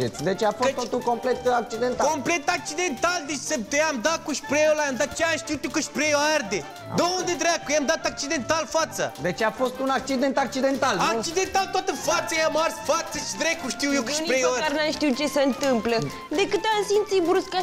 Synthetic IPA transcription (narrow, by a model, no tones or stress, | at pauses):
et̪sʲd̪e̞t͡ʃeafoet̪ot̪ulko̞mplet̪ak̚t͡ʃid̪ent̪akomplet̪ak̚t͡ʃid̪e̞nt̪ald̪et͡ʃsəpt̪eamd̪at̪̚kuʃpɾejolajamd̪at̪̚t͡ʃeaʃt̪iwt̪jokɨʃpɾejoard̪e | d̪oond̪ed̪ɾakujamd̪at̪ak̚t͡ʃid̪e̞nt̪alfat̪sə̰d̪e̞t͡ʃafo̞st̪unak̚t͡ʃid̪e̞nt̪ak̚t͡ʃid̪e̞nt̪alak̚t͡ʃid̪ent̪alt̪wat̪əfat̪sajamarsfat̪səʃid̪ɾekuʃt̪iwjekəʃnpɾejaɾaɾnamʃt̪iwt͡ʃe̞seɨnt̪ɨmplə | d̪ekɨt̪amsint̪sibɾuska